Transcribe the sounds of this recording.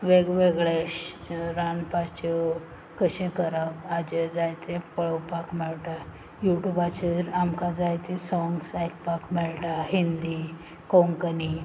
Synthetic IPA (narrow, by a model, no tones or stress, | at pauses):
ʋeɡʋeɡɭeɕɾanpast͡ɕe | kəɕẽkəɾabad͡ʑed͡zajt̪ẽpəɭəwpakmɛɭʈa | juʈjubat͡ɕeɾamkad͡zajt̪ẽsɔ̃ŋɡsajk̚pakmɛɭʈaɦind̪i | koŋkəni